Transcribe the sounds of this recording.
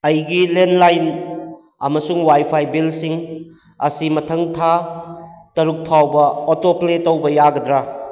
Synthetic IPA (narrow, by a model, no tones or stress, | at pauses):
ɐjɡilenlajn | ɐmɐsuŋwajpʰajbilsiŋ | ɐ̰simɐtʰɐŋtʰa | tɐɾuk̚pʰawbɐotopletɐwbɐjaɡɐdɾa